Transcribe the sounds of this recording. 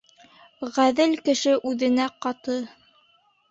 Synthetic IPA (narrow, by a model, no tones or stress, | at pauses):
ʁæðɘlkɘ̆ʃɘʔʉðɘ̆næqɑt̪ɤ